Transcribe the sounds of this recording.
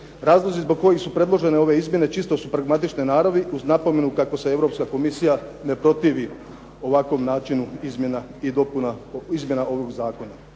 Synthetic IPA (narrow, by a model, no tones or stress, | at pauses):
ɾaːzlˠozizbo̞ɡ̚ko̞jixsupɾe̞d̪lˠo̞ʒe̞ne̞o̞ʋe̞izmʲje̞ne̞t͡ʃist̪o̞supɾaɡmat̪it͡ʃninaːɾoʋiuznapo̞me̞nukako̞see̞ʋɾo̞pskako̞misijane̞pɾo̞t̪iːʋi | o̞ʋakʋo̞mnaːt͡ʃinuizmjenaid̪o̞punaizmje̞naʔo̞ʋoɡzaːko̞na